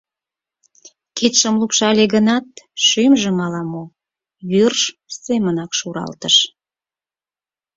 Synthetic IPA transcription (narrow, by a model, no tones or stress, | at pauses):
kit̪ʃəmlupʃɑlʲeɣənɑt̪̚ʃymʒə̆mɑlɑmo | βyrʃsemənɑkʃuɾɑ̰lt̪əʃ